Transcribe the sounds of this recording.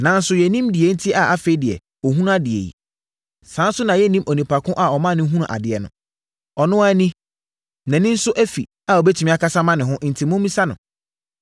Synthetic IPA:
nã˨n̩˦sʊ˨jɛ˨nĩ˦mdɪ˨e˨˦n̩˦tʰɪ˦a˨ʔa˦fe˨˦dɪ˨ɛ̰˨ | ɔ˨ɦũ˦ñ˦a˦dɪ˨ḛ˨jḭ˨ | sãː˨˦n˦sʊ˦nã˨jɛ˦nĩ˦mʔo˨nĩ˨pʰa˨kʰʊ̃˦ʔa˨ɔ˨mã˦˨nɪ̃˦ɦũ˦ñ˨ʔa̰˨dɪ˨ɛ˨nʊ̰̃˨ | ɔ˨nʊ̃˦a˦nĩ˦ | nã˨nɪ̃˦n̩˦sʊ˦ʔæ˦fḭ˨ | a˨ɔ˨bɛ˦tʰi˨mĩ˦a˦kʰa˦sa˦mã˦nɪ̃˨ɦʊ̃˦ʔn̩˨tʰi˨mʊ̃˦mĩ˦sa˦nʊ̰̃˨

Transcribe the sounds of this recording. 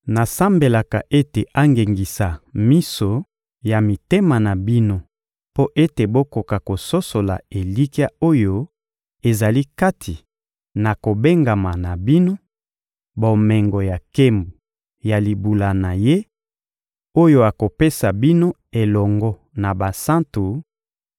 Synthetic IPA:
na˨sa˦mbe˨la˨ka̰˨ʔe˦te˨a˦ŋɡe˨ŋɡi˨sa˨mi˦so˨ | ja˨mi˨te˦ma˨na˨bi˦no˦ | po˦ʔe˦te˨bo˦ko˨ka˨ko˨so˦so˨la̰˨e˨li˦ki˦a˦o˦jo˦ | e˨za˨li˦ka˦tʰi˨ | na˨ko˨be˦ŋɡa˨ma˨na˨bi˦no˦ | bo˨mɛ˨ŋɡɔ˨ja˨ke˦mbu˨ | ja˨li˨bu˨la˨na˨je˦ | o˦jo˦a˨ko˨pe˦sa˨bi˦no˦ | e˨lɔ˨ŋɡɔ˦ | na˨ba˨sã˦ntu˨

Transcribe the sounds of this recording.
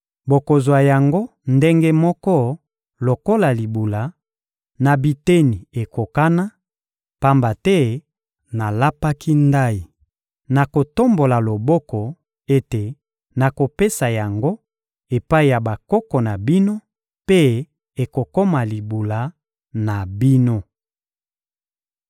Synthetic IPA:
bo˨ko˨zo˨a˨ja˨ŋɡo˦ | nde˦ŋɡe˦mɔ˦kɔ˦ | lo˨ko˦la˨li˨bu˨la˨˦ | na˨bi˨te˦ni˨e˨ko˨ka˦na˦ | pa˦mba˨tɛ˦ | na˨la˦pa˦kʰi˦nda˦i˨ | na˨ko˨to˦mbo˨la˨lo˨bɔ˦kɔ˨ | e˦te˨ | na˨ko˨pe˦sa˨ja˨ŋɡo˦ | e˨pa˦i˨ja˨ba˨kɔ˦kɔ˨na˨bi˦no˦ | pe˦ | e˨ko˨ko˦ma˨li˨bu˨la˨˦ | na˨bi˦no˦

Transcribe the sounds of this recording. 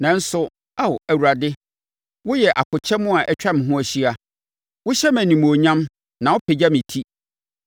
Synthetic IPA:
nã˨n̩˦sʊ˦ | a˦˨wæ˨wu˨ɾa˨dɪ˦ | wʊ˦jɛ˨ʔa˨kʰʊ˨t͡ɕʰɛ˦mʊ̃˦a˨ʔɛ˦t͡ɕᶣa˦m̃˨ɦʊ̃˦æ˨ɕi˦a˨ | wʊ˦ɕɛ˦mæ̃˨nĩ˨mo˨ɲã˦m | nã˨ʊ˦pʰe˨d͡ʑa˦mɪ̃˨tʰi˦

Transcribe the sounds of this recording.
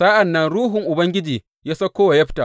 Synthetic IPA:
sa˦ʔa˨nːɐ˦nɽuː˦ɦʊ˨ŋʔʊ˨bɐ˦ŋɡʲɪ˦d͡ʒiː˨ | jaː˦sɐ˦kʷːoː˦wa˨jɐ˦ɸɪ̥˦taː˨

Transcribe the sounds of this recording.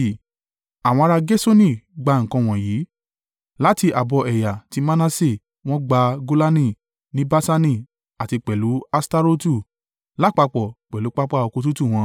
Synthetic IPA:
a˨w̃ɔ̃˧ɾa˧ɡe˦so˦nĩ˦˨ɡ͡ba˨˧ŋ̩̃˨kã˧w̃ɔ̃˨jiː˨˦ | la˨˦ti˧ʔa˨bɔ˧ʔɛ˨ja˨ti˨˦mã˦nã˧˦se˦˨ | w̃ɔ̃˦ɡ͡ba˧ɡo˦la˦nĩ˦˨ | nĩ˦ba˦sa˧nĩ˦˨ | a˨ti˧k͡pɛ˨lu˨˦a˧sta˧ɾo˦tu˦˨ | la˦˨k͡pa˧k͡pɔ˨k͡pɛ˨lu˨˦k͡pa˦k͡pa˦o˧ko˧tu˦tu˦˨w̃ɔ̃˧

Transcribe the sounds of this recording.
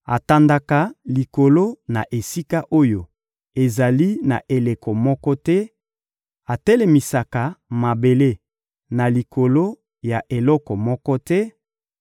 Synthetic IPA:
a˨ta˨nda˨ka˨li˨ko˨lo˦na˨ʔe˨si˦ka˦ʔo˦jo˨ | e˨za˨li˦na̰˨ʔe˨le˨kɔ˨mɔ˦kɔ˦tɛ˦ | a˨tɛ˦lɛ˨mi˨sa˨ka˨ma˨be˨le˦ | na˨li˨kʰo˨lo˦ | ja˨ʔe˨lɔ˦kɔ˨mɔ˦kɔ˦tɛ˦

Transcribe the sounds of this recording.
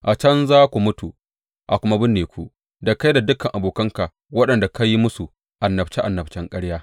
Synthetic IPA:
ʔa˨t͡ʃɐ˦nzaː˦kʷu˨mʊ˦tu˨ | ʔa˨kʷʊ˦ma˦bɪ˦nːeː˨kʷṵ˨ | da˨ka˦jda˨dʊ˦kɐ˨ŋʔa˨boː˨kɐ˦ŋka˨ | wɐ˦ɗɐ˨nda˨ka˦jːi˦mʊ˦su˨ | ʔa˨nːɐ˨bt͡ʃe˦ʔa˨nːɐ˨bt͡ʃɛ˦ŋkʼɐ˦ɽjaː˦

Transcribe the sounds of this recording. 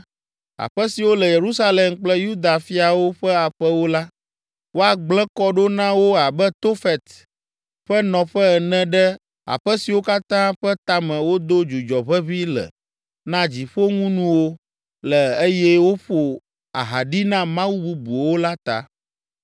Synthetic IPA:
a̰˨ɸə˦si˨wo˦lɛ˨je˨ɾu˦sa˦le˨mk͡plɛ˦ju˦d̪a˨fi˦a˨wo˦ɸɛ˦a˨ɸɛ˦wo˦la˦ | wo˦a˨ɡ͡blɛ̃˦kɔ˦ɖo˦nã˦wo˦a˨bɛ˦t̪o˦fɛ˨t̪ | ɸɛ˦nɔ̃˨ɸɛ˦ɛ˨nɛ̃˦ɖɛ˦ | a̰˨ɸɛ˦si˨wo˦ka˦t̪ã˦ɸɛ˦t̪a˦mɛ̃˨wo˦d̪o˦d͡ʒu˨d͡ʒɔ˨βɛ˦βi˦lə̰˨ | nã˦d͡ʑi˨ɸo˦ŋũ˦nũ˦wo˦ | lə˨e˦jɛ˦wo˦ɸo˨ | a̰˨ɦa˨ɖi˦nã˦mã˦wu˦bu˦bu˨wo˦la˦t̪a̰˨

